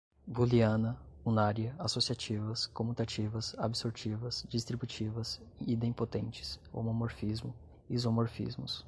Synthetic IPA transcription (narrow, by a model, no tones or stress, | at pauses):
buliɐ̃nɐũnaɾjɐasosiat͡ʃivɐskõmut̪at͡ʃivɐsabisoɾt͡ʃivɐsd͡ʒist̪ɾibut͡ʃivɐs | id̪ẽpot̪ẽnt͡ʃɪ̥so̰momoɾfizmʊ | izomoɾfḭzmʊs